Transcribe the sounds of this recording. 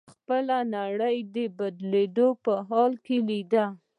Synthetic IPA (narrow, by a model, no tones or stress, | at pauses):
xpəlanaɽəjd̪əbad̪led̪opəɦɑlkelid̪a